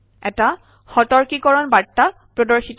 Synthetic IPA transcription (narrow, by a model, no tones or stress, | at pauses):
ɛ̰ta | xɔtɔɹkikɔɹɔnbatːa | pɹɔdɔɹxit